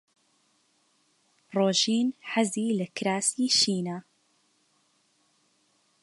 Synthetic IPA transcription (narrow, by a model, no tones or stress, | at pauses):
roːʒiːnħaziːlɐkʰɾaːsiːʃiːna